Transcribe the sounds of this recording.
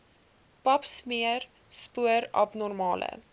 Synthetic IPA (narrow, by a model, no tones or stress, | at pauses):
pɐpsmiər | spuəɾɐ̰pnɔrmɑːlʔə̰